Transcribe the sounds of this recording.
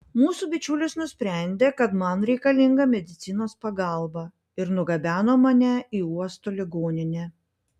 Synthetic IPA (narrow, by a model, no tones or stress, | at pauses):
muːsubʲɪt͡ʃʲuːlʲɪsnʊsʲpʲɾʲæˑnʲd̪ʲeːkɐt̪mɐnɾʲɛɪkɐlʲɪŋɡɐmʲɛd̪ʲɪt̪sʲɪnoːspɐɡɑˑlˠbɐ | ɪɾnʊɡɐbʲæːnoːmɐnʲɛiːuɔst̪oːlʲɪɡoːnʲɪnʲeː